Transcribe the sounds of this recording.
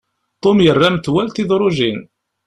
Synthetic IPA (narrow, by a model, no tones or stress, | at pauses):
t̪ˤomjərːamt̪wælt̪iðɾˤʊʒin